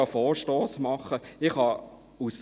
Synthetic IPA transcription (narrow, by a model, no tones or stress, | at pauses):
ɑfoːɾʃtoːsmɑχəɪχhɑ | us